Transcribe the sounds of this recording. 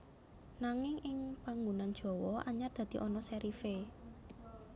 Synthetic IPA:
naŋɪŋʔɪŋpaŋɡunand̥ʒ̥ɔ̤wɔʔaɲard̪̥a̤d̪̥i̤ʔɔnɔsɛɾife

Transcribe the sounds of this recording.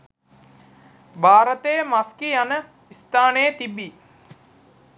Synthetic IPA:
bʱaːɾət̪ejəmaskianə | ist̪aːnejət̪ibi

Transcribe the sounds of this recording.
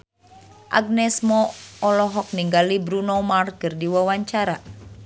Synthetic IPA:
ʔa̰ɡ̚nɛsmɔɔlɔɦɔk̚niŋɡalibɾunɔmarkɨrdiwawaɲt͡ʃaɾa

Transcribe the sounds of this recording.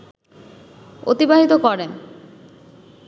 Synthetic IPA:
o̰t̪ibaɦit̪okɔɾen

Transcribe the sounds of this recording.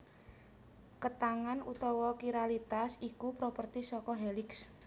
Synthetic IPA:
kət̪aŋanut̪ɔwɔkiɾalit̪asikupɾopərt̪isɔkɔɦelɪks

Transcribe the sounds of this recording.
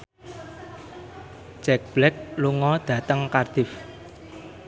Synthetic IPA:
d͡ʒɛk̚b̥lɛk̚luŋɔd̪̥ä̤t̪əŋkard̪̥ɪf

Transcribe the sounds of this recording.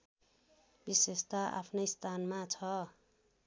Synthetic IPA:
bisest̪aʔa̰pʰnʌjst̪ʰanmat͡sʰʌ

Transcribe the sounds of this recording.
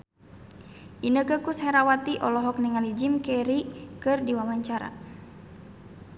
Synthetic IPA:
ʔinəkəkushɛɾawat̪iʔɔlɔɦɔk̚niŋalid͡ʒimkɛɾikɨrdiwawaɲt͡ʃaɾa̰

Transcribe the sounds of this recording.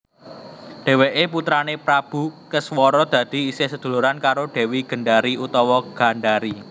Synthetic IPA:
ɖ̥e̤weʔeput̪ɾanepɾab̥ṳkəswɔɾɔd̪̥ä̤d̪̥i̤isesəd̪̥ṳluɾankaɾoɖ̥e̤wiɡ̥ə̤ɳɖaɾiut̪ɔwɔɡ̥a̤ɳɖaɾi

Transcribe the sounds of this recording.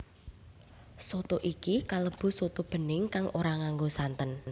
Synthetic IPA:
sot̪oʔikikaləb̥ṳsot̪ob̥ə̤nɪŋkaŋʔoɾaŋaŋɡosant̪ən

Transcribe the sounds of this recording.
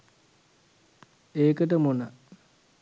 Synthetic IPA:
eːkəʈəmonə

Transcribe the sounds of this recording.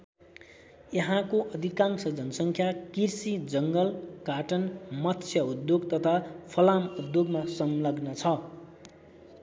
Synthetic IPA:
jʌɦãkoʔʌd̪ʱikãŋsʌd͡zʌnʌsʌŋkʰjakirsid͡zʌŋɡʌlkaʈʌnmʌt̪sʰjʌud̪joɡt̪ʌt̪ʰapʰʌlamud̪joɡmasʌmlʌɡnʌt͡sʰʌ

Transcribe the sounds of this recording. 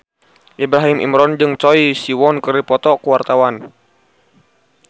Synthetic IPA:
ʔibɾaɦimʔḭmɾɔnd͡ʒɨŋt͡ʃɔisiwɔnkəripɔt̪ɔkuwart̪awan

